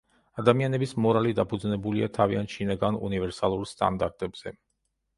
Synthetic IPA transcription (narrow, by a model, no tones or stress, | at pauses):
ad̪amianɛbismɔɾalid̪apʰud̪znɛbuliat̪ʰaviant̪ʃinaɡanṵnivɛɾsalˠuɾst̪ʼa̰nd̪aɾt̪ʼɛbz̥ɛ